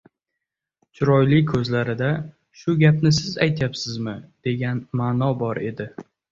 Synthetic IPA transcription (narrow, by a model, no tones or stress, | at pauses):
t͡ʃʰʊɾɒjlɪkʰɵzlaɾɪd̪a | ʃʊɡʲapnɪsɪzajt̪ʰjapsɪzmɪd̪̥e̞ɡʲanmaːnɒbɒɾe̞d̪ɪ